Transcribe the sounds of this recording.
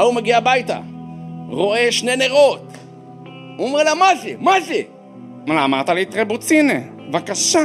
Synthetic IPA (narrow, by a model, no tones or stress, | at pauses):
aumeɡiabajt̪a̰ | ʁo̞e̞ʃne̞neʁo̞t̪ | omʁelamazemaze | malaːmaʁt̪alit̪ʁebut͡sine | vakaʃa